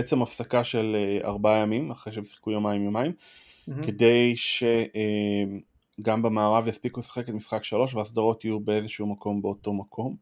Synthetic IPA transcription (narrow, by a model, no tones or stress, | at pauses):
et͡se̞mafsakaʃe̞lea̰ʁbajamimaχʁejʃemsi̥χkujomajimjomaim | ke̞de̞jʃe̞ʔe | ɡambemaːʁavjaspikuesḁχe̞ketmisχakʃalo̞ʃ̬veaːsd̪aʁo̞tijube̞e̞zeʃuumako̞mbe̞o̞to̞makʰo̞m